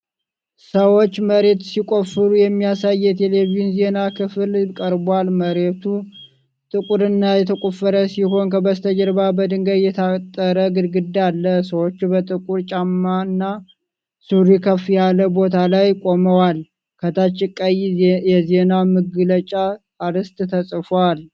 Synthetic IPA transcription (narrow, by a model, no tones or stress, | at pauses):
səwo̞t͡ʃːməɾe̞t̪sikʼo̞fɨɾujɛmːijasajːɛt̪ʰelevijunze̞nakʰɨfɨlkʼəɾbalməɾe̞t̪ʰu | t̪ʼɨkʼuɾɨnːajɛt̪ʰəkʼufːəɾəsiho̞nkʰəbəst̪ʰəd͡ʒɛɾbabəd̪ɨŋɡəd̪jɛt̪ʰat̪ʼːəɾəɡɨd̪ɡɨd̪alːəsəwo̞t͡ʃːubət̪ʼɨkʼuɾt͡ʃʼamːaɨnːa | suɾikʰəfjaləbo̞t̪ʰalajkʼo̞məwal | kʰət̪ʰat͡ʃːɪkʼːajjɛze̞namɨɡɨlət͡ʃʼa | aɾɨst̪ʼt̪ʰəsʼɨfwal